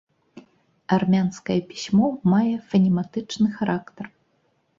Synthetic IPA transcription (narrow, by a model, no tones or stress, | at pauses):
armʲanskɐjɛpʲi̥sʲmɔmajɛfɐnʲimat̪ɨt͡ʂnɨxaɾakt̪ɐr